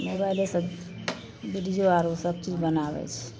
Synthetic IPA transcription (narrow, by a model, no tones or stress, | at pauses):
mobailesə | biɾid͡ʒoaɾusəb̚t͡ʃid͡ʒbənabɛ̰t͡ʃʰ